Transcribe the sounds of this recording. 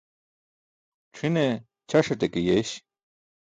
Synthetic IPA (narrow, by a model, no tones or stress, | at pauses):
ʈ͡ʂʰine | t͡ɕʰɐʂɐt̪ekejeɕ